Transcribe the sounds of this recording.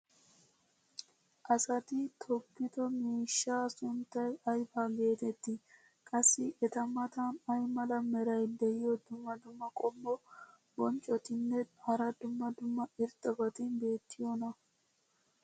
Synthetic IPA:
ʔɐsɐt̪ɪt̪ʰɔpːɪt̪ɔmiːʃːaːsʊnt̪ːɐjɐjfaːbe̞ːt̪ɛt̪ːɪ | kʼɐsːɪʔɛt̪ɐmɐt̪ɐnɐjmɐlɐmɛɾɐjd̪ɛʔɪjɔd̪ʊmːɐd̪ʊmːɐkʼɔmːɔ | bɔnt͡ʃʼɔt̪ɪnːɛhɐɾɐd̪ʊmːɐd̪ʊmːɐɪɾt̪ʼːɐɡɔt̪ɪnbe̞ːt̪ːɪjonɐ

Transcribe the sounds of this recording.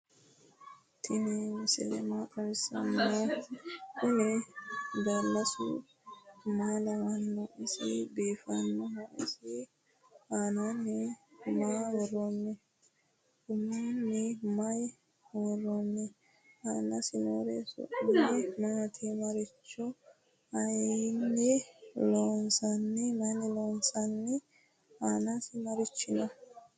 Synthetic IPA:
t̪ʰɪnɛwʊsɪ̰lɛ̰maːkʼɐɾɪsɐ̰no | kʊnɛ | d̪ɐlːɐsʊ̰ | maːlɐwɐnːɔʔɪsɪbiːfɐnːɔmaʔɪ̰sɪ | aːnanːɛmaːwɔroːmːɛ | ɡʊmːanːɛmɐj | wɔrːonːɛ | haːnɐsɪno̰ːɾɛ̰sʊ̰ʔɪnːɛmɐt̪ʰimɐɾɪt͡ʃːɔ | ɐjnːɛloːnsɐnːɛmɐnɛloːnsɐnːɛ | aːnɐsɪmɐɾɪt͡ʃːɪnɔ

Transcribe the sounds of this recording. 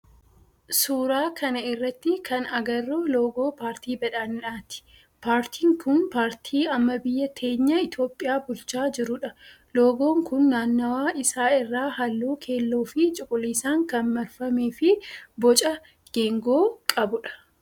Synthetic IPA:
suːɾaːkʰɐnɐɪrːɐt̪ːɪkʰɐnɐɡɐrːoːlo̞ːɡoːpaːɾt̪iːbɐᶑaːnɪᶑaːt̪ɪ̥ | paːɾt̪ʰiːŋkʊnpaːɾt̪ʰiːɐmːɐbɪjːɐt̪ʰe̞ːɲːɐɪt̪jo̞ːpʼːɪjaːbʊlt͡ʃaːd͡ʒɪɾʊᶑɐ | lo̞ːɡo̞ːŋkʊnːaːnːɐwaːɪsaːɪrːaːɦɐlːoːkʰe̞ːlːoːfɪt͡ʃʼʊkʼʊliːsaːŋkɐnmɐlfɐmeːfɪbɔt͡ʃʼɐ | ɡ̥eːŋɡo̞ːkʼɐbʊᶑɐ̥

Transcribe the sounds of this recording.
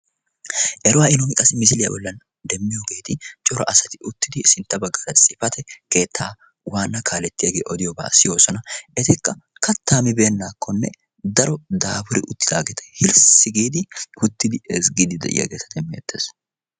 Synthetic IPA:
ʔɛɾʊwaːɪnomɪkʼɐsmɪsɪlɪjɐ̰bɔlːɐn | d̪ɛmːɪjoɡe̞ːt̪ɪt͡ʃʼɔɾɐ̰ʔɐsɐt̪ɪʔʊt̪ːɪd̪ɪsɪnt̪ːɐbɐɡɐɾɐsʼɪfɐt̪ʰɛke̞ːt̪ʰːaː | waːnːɐkʰaːlɛt̪ːɪjɐɡeːʔɔd̪ɪjɔba̰ːsɪjo̞ːsɔnɐʔɛt̪ɪkːɐ | kɐt̪ʰːaːmɪbe̞ːnːaːkːɔnːɛ̰ | d̪ɐɾɔd̪aːbʊɾɪ̰ʔʊt̪ːɪd̪aːɡɛt̪ɛ̥hɪlsɪɡiːd̪ɪhʊt̪ːɪd̪ɪɛsɡiːd̪ɪd̪ɛ̰ʔɪ̰jɐ̰ɡeːt̪ɐt̪ɛmːḛːt̪ʰːeːs

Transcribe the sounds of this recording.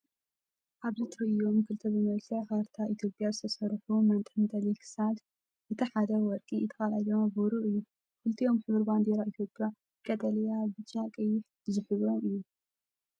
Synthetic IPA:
ʔaβzɨt̪ʰɨɾɨjo̞mkʰɨlt̪ʰɐbɨmɐlkʰɐxaɾt̪ʰaʔit̪ʰjo̞pʼjazɨt̪ʰɐsɐɾħumɐnt̪ʼɨnd̪ɐlikʰɨ̥sad | ʔɨt̪ʰiħad̪ɐwɔɾkʼit̪ʰɐxalalombuɾuʔɨjːu | kɨlt̪ʰijo̞mħɨβɨɾband̪eɾait̪ʰjo̞pʼja | kʼɐt̪ʼɐlijabɨt͡ʃːakʼɐjɪħ | zɨħɨβomɨjːu

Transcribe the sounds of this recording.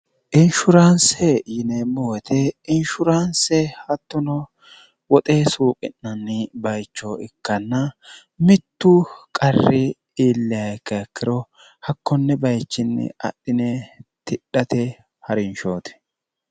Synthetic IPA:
ʔɪnʃʊɾansɛjɪnɛmowɛt̪ʰɛɪnʃʊɾansɛhɐt̪ːʊnɔ | wɔt̪ʼeːsuːkʼɪ̰nːɐnːɪbɐjt͡ʃːoɪkːɐnːɐ | mɪt̪ːʊkʼɐrːɪ | iːlːɪɐkːɐɛkʰːɪɾɔ | hɐkːɔnːɛbɐjt͡ʃːɪnːɛ̰ɐ̰ɗːɪnɛt̪ɪɗɐt̪ɛ | hɐɾɪnʃoːt̪ɛ̥

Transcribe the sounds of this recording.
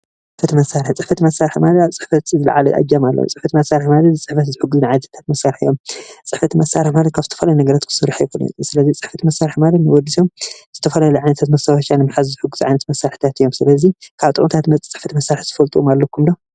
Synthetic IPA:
t͡st͡sʼɨħfɐt̪mɐsːaɾɨħt͡sʼɨħfɐt̪imɐsːaɾħmalɐt̪aβt͡sʼɨ̥ħfɐt̪zɨl̰ʕalɐʔa̰d͡ʒamalːo̰t͡sʼɨħfɐt̪mɐsːaɾɨħmalɐt̪t͡sʼɨħfɐt̪zɨħʊɡːuznʕajnɐt̪ʰat̪ʰḁt̪mɐsːaɾħɨjːomt͡sʼɨħfɐt̪mɐsːaɾɨħmalɐt̪̚kʰaβzɨt̪ʰɐfɐlajunɐɡɐɾat̪ɨ̥sɨɾːaħajkunḭt̪ʼsɨlɐzit͡sʼɨħfɐt̪mɐsːaɾħmalɐt̪nɨwɔd̪ːiso̞mz̥ɨt̪ʰɐfɐlalujʕajnɐt̪ʰat̪mɐsawʃanɨmːɨħazzɨħuɡːuz̥ʕajnɐt̪mɐsːaɾħi̥t̪ʰat̪ɨjːomsɨlɐzikʰaβt̪ʼɨ̰kʼnt̪ʰat̪mɐt͡sʼɨħfɐt̪mɐsːaɾɨħzɨfɐlt̪ʼuʔomalːɐkʰumd̪o

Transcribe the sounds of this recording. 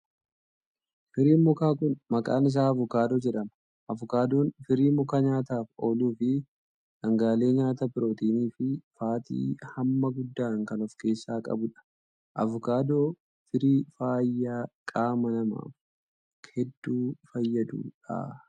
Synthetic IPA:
fɪɾiːnmʊkaːkʊnmɐkʼaːnɪs̬aːɐvʊkaːd̪oːd͡ʒɛᶑɐmɐ | ʔɐvʊkaːd̪o̞ːnfɪɾiːmʊkɐɲaːt̪aːfo̞ːluːfɪ | dɐŋɡaːle̞ːɲaːt̪ɐbɪɾo̞ːt̪iːniːfɪfaːt̪ḭːhɐmːɐɡʊd̪ːaːŋkɐnɔfke̞ːsːaːkʼɐ̰bʊᶑɐ̥ | ʔɐ̰vʊkaːd̪oː | fɪɾiːfaːjːaːkʼaːmɐnɐma̰ːf | hɛd̪ːuːfɐjːɐd̪ṵːᶑa̰ː

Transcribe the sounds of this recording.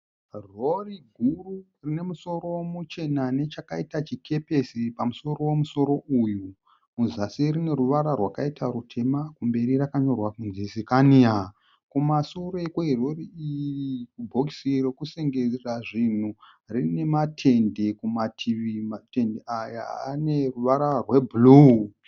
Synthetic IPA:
ro̞riɡʱuru | rine̞muso̞ɾo̞mut͡ʃe̞nane̞t͡ʃakaitat͡ʃikʰe̞pe̞sipamuso̞ɾo̞womuso̞ɾo̞ʔuju | muzasirine̞ɾuʋaɾarwakaitʰaɾutʰe̞makumbe̞ɾirakaɲo̞rwakunzisikania | kumasoɾe̞kweɦeroriirikubʱoksirekuse̞ŋɡeziraʐin̤u | rine̞matʰe̞nde̞kumatʰiʋimate̞ndeʔaja̰ːne̞ruʋaɾarwe̞bʱulu

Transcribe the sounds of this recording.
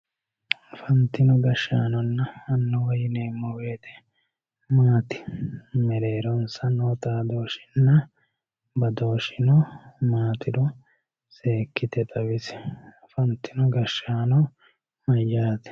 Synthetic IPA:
fɐnt̪ːɪnɔɡɐʃːa̰ːnɔnːɐːnːɔwɐjɪneːmːɔweːt̪ɛ | maːt̪ɪ̥mɛɾe̞ːɾɔnsɐnoːt̪aːd̪o̞ːʃɪ̥nːɐ | bɐd̪oːʃɪnɔmaːt̪ɪd̪ɔ | se̞ːkːɪt̪ɛt̪ʼɐwɪsɪ̥ | fɐnt̪ːɪnɔɡɐʃːaːnɔ | mɐjːaːt̪ɛ̥

